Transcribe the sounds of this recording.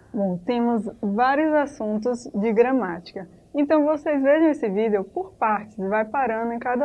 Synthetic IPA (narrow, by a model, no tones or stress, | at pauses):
bõw̃t̪ẽmʊzvaɾjʊzasũnt̪ʊzd͡ʒɪɡɾɐmat͡ʃi̥kɐ | ẽnt̪ɐ̃w̃vosejzveʒɐ̃w̃esɪvid̪eʊpoɾpaɾt͡ʃɪzɪvajpaɾɐ̃d̪ʊẽj̃kad̪ɐ